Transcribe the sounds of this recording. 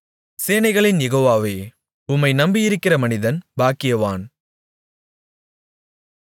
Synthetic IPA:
seːnɐɪɣɐɭɪnjɛɣoːʋaːʋeː | ʊmːɐɪnɐmbɪjɪɾɯkːɪrɐmɐnɪðɐnbaːkɪjɐʋaːn

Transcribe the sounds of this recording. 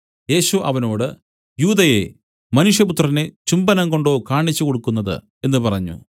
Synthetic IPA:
je̞ːɕuʔɐʋɐno̞ːɽɨ | juːðɐje̞̰ | mɐnuʂjɐput̪rɐnet͡ɕumbɐnɐŋko̞ɳɖo̞ːkaːɳit͡ɕːuko̞ɽukːunːɐðɨ̰ | e̞nːɨpɐrɐɲːṵ

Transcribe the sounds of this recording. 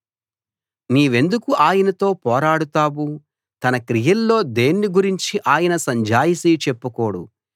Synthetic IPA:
niːʋe̞nd̪ukuʔaːjɐnɐt̪o̞ːpɔːɾaːɽut̪aːwu | t̪ɐnɐkɾijɐlːo̞ːd̪e̞ːnːiɡuɾiɲt͡ʃiʔaːjɐnɐsɐɲd͡ʒaːjisiːt͡ʃe̞pːukoːɽṵ

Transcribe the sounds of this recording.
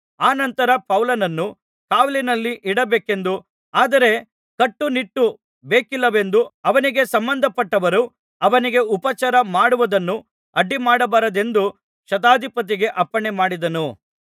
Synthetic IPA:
aːnɐnt̪ɐɾɐpɐwlɐnɐnːu | kaːʋlinɐlːiʔiɽɐbeːke̞nd̪u | aːd̪ɐɾe̞ | kɐʈːuniʈːu | beːkilːɐʋe̞nd̪uɐʋɐniɡe̞sɐmbɐnd̪ʱɐpɐʈːɐʋɐɾu | ɐʋɐniɡe̞upɐt͡ʃaɾɐmaːɽuʋɐd̪ɐnːu | ɐɖːimaːɽɐbɐɾɐd̪e̞nd̪u | ʃɐt̪̬aːd̪ʱipɐt̪̬iɡe̞ʔɐpːɐɳemaːɽid̪ɐnu

